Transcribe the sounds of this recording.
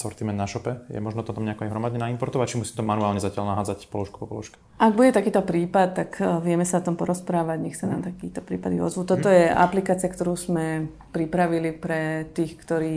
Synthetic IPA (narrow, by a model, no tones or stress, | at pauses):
sɔ̰ɾt̪imɛnaʃɔpɛjɛ̰mɔʒnɔt̪ɔt̪amɲɛakɔajɦɾɔmad̪ɲɛnaimpɔɾt̪ɔʋac̚t͡ʃimusiːmt̪ɔmanuaːlɲɛzacɪalnaɦaːd͡zacpɔlɔʃkubɔpɔ̰lɔ̰ʃkɛ̥ | ʔaɡ̚buɟɛt̪akiːt̪ɔpɾiːpat̪t̪ːakʋɪɛmɛsaɔt̪ɔmpɔɾɔspɾaːʋaɟɲɛxsana̰ːmt̪akiːt̪ɔpɾḭːpad̪iɔ̰zʋuːt̪ɔt̪ɔjɛʔa̰plikaːt͡siakt̪ɔɾuːzmɛ | pɾipɾaʋilipɾɛt̪iːxkt̪ɔɾiː